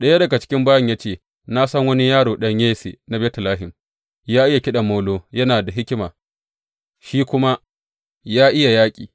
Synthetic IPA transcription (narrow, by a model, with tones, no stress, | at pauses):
ɗɐ˦ja˦dɐ˨ɡa˨t͡ʃɪ̥˦kʲɪ˦mbaː˦jɐ˨ɲja˦t͡ʃeː˨ | na˦sɐ˦ŋwɐ˦ni˦jaː˦ɽoː˨ɗɐ˦ɲjeː˦sḛ˨na˦bɛ˦tɪ˨laː˦ɦɪ˨m | jaː˦ʔɪ˦ja˨kʲɪ˦ɗɐ˨mːoː˦loː˦jɐ˦naː˨da˨ɦɪ˦kʲɪ˦maː˨ | ʃiː˦kʷʊ˦ma˦ | jaː˦ʔɪ˦ja˨jaː˦kʲʼḭː˨